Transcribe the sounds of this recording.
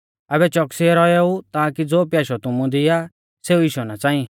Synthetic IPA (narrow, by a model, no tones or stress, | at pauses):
ɛbɛt͡ʃɔksiɛɾɔɛut̪aːkid͡zoːpjaːʃɔt̪ʊmũd̪ɪja | seːuiːʃɔnat͡sãːĩ